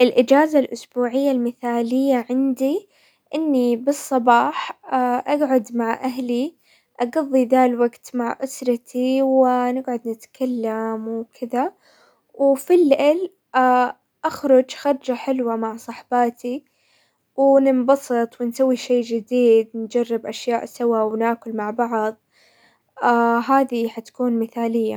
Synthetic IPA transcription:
ʔɪlʔɪd͡ʒaːzalʔʊsbuːʕɪjːalmɪθaːlɪjːaʕɪnd̪i | ʔɪnːibɨsˤːɑbɑːħaʔaɡʕʊd̪maʕʔaɦli | ʔɑɡɑðˤːiðalwaɡt̪maʕʔʊsɾˤɑt̪ʰiwɪnɪɡʕʊd̪nɪt̪kʰalːamwkʰɪða | wɪfilːɪʔɪl | a | ʔaxɾʊd͡ʒxɑɾˤd͡ʒaħɪlwamaʕsˤɑħbɑːt̪ʰi | wɪnɪmbɑsˤɨt̪ˤwɪnsawːiʃeːd͡ʒɪd̪iːd̪nd͡ʒarːɪbʔaʃjaːʔsawawnaːkʊlmaʕbɑʕðˤ | aɦaːðiħat̪ḁkuːnmɪθaːlɪjːa̰

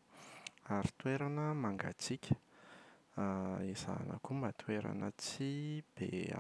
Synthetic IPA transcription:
aɾi̥t̪weɾanəmaŋɡa̰t͡sikʲʰə̥ | iz̥a̰nə̰kumat̪weɾa̰nət͡sib̥e

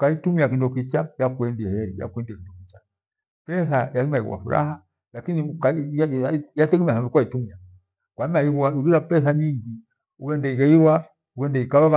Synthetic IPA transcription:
kaitumiakindɔkit͡ʃajakuɛndiɛhɛija̰kuɛndiakindɔkit͡ʃa | pɛsajalimaḭɣwa̰fuɾa̰ha | lakinika | jatɛɡɛmiaɦamikuwaitumia | kwaimaiaiɡiɾapɛsaɲiŋɡi | uwɛndɛiɡaiwa | uɡɛndɛikawaβa

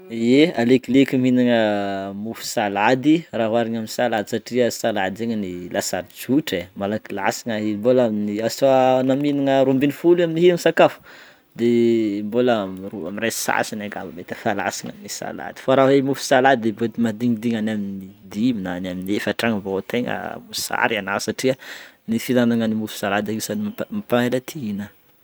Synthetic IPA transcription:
ealeklikiminiŋəmufu̥salad̪iraɦwaɾaɲaminisalad̪isaʈ͡ʂiəsalad̪eɲənilʔasaɾid͡ʒuʈ͡ʂemalakila̰siŋaimbolaminiasanaminiŋəɾumbinifuliaminiɦianisakafu̥ | d̪embolamrua̰mirasa̰sinaɡa̰vamet̪afala̰siŋa̰minisa̰la̰d̪̥i̥faɾawemufu̥salad̪id̪ebet̪imad̪iŋid̪iŋanaminid̪iminanaminiefaʈ͡ʂaŋəvot̪eŋə̰musa̰ɾianasaʈ͡ʂiənifizanaŋənimufi̥salad̪aɡisanimapaelat̪ʰiinə

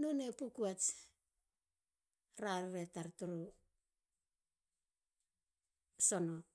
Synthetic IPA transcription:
nonepukuat͡ʃ | ɾaɾɾetaɾtuɾo | sono

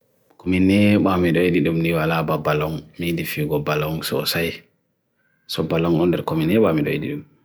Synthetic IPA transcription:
kominɛɓamiɗɔeɗiɗumniwalababalɔŋmidifiːɡɔbalɔŋsɔɔ̰saj | sɔbalɔŋɔndɛɾkominɛɓamiɗɔ̰ḛɗḭɗum

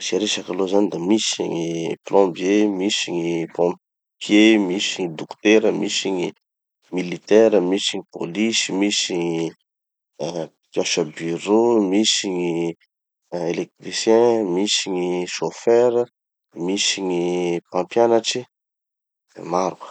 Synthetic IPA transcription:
saɾeʃakalozanid̪amisḭŋiplɔ̃mbjemisiɲipɔ̃mp | pʰjemisiɲid̪ukt̪eɾəmisiɲi | milit̪ɛɾəmisiɲipo̰lisimisiɲ | k̪ãʃəbyɾomisiɲi | elek̚t̪ɾisjɛ̃misiɲiʃofɛɾə | misiɲipãmpjanaʈ͡ʂi | maɾkə̥

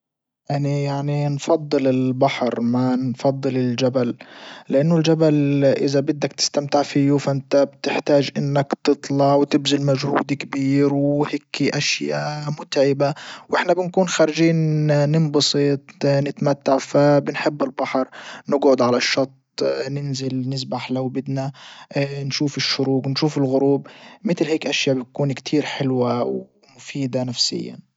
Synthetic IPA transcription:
ʔanijaʕninfɑd̪ˤːɨlɪlbaħɾmanfɑd̪ˤːɨlɪld͡ʒaballɪʔanːʊld͡ʒabalʔɪzabɪd̪ːakt̪ɪ̥st̪amt̪ɪʕfijufaʔɪnt̪abt̪ɪħt̪aːʒʔɪnːakt̪ɨt̪ˤlɑʕwt̪ɪbzɪlmaʒhṵːd̪ikabiːɾwhekiʔaʃjaːmʊt̪ʕɪbawʔɪħnabɪnkuːnxaːɾɪʒiːnːɪmbɑsˤɨt̪ˤnɪt̪mat̪ːaʕfabɪnħɪbːɪlbɑħɑɾˤnɪɡʕʊd̪ʕalaʃːɑt̪ˤnɪnzɪlnɪzbaħlawbɪd̪na | nʃuːfɪʃːʊɾuːqnʃuːfɪlɣʊɾuːbmɪt̪lheːkʔaʃjaːbjt̪kuːnkt̪ʰiːɾħɪlwaw | mʊfiːd̪anafsɪ̰jːa̰n

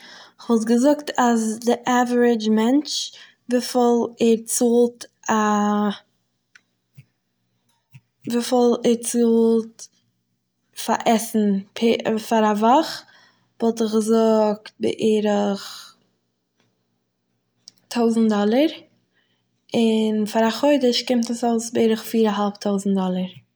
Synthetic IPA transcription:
ɪχvɔlˠt̬ɡəzʊktʰasdɪʔavəɹɪd͡ʒmɛnt͡ʃ | vifɔlˠɛɾt͡suːlˠt | a | vifɔlˠɛɾt͡suːlˠt | fa̰ʔɛsn̩pʰɪfaɾavaχ | vɔlˠtɪχɡəzʊk̚t̚bɪ̰ʔeɾəχ | tʰoʊzn̩tdɔlˠəɾ | ɪnfaɾaχoɪdəʃkɪmtəsoʊsbɪeɾəχfiːɾaɦalˠptʰoʊzn̩tdɔlˠəɾ

